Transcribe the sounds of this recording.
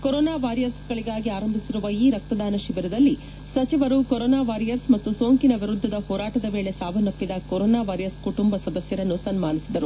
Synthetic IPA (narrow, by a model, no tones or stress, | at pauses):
koɾɔːnaːʋaːɾijɐɾsɡɐɭiɡaːɡiaːɾɐmbʱisiɾuʋɐiːɾɐk̚t̪ɐd̪ʱaːnɐʃibɐɾɐd̪ɐlːi | sɐt͡ʃiʋɐɾukoɾoːnaːʋaːɾijɐɾsmɐt̪ːusoːŋkinɐʋiɾud̪ʱːɐd̪ɐhɔːɾaːʈɐd̪ɐʋe̞ːɭe̞saːʋɐnːɐp̪ːid̪ɐkoɾoːnaːʋaːɾijɐɾskuʈumbɐsɐd̪ɐsjɐɾɐnːusɐnmaːnisid̪ɐɾu